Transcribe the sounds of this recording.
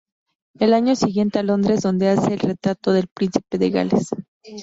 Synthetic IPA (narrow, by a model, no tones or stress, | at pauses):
e̞laɲo̞siɣje̞nt̪e̞alo̞nd̪ɾe̞zðo̞nd̪e̞ase̞ːlre̞t̪ɾat̪o̞ðelpɾinsipe̞ðe̞ɣa̰lḛs